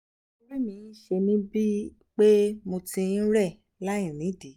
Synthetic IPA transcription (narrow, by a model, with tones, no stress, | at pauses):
wɛ˦nĩ˨˦ʃe˧nĩ˦bi˦ | k͡pe˦mo˧tĩ˧n̩˦ɾɛ˦˨ | la˦j̃ĩ˨nĩ˨˦˨di˨˦